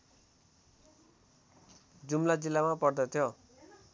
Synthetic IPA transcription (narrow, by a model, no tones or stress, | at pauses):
d͡zumlad͡zilːamapʌrd̪ʌt̪ʰjo